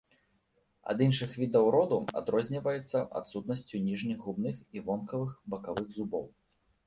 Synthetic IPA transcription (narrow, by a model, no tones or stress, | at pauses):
ɐ̰d̪inʂɨxvʲid̪ɐwɾɔd̪ua̰d̪ɾɔzʲnʲivɐjɛt̪sːɐa̰t̪sut̪nɐsʲt͡sʲunʲiʐnʲiɣɣubnɨxivɔnkɐvɨxbɐkavɨɣzubɔ̰w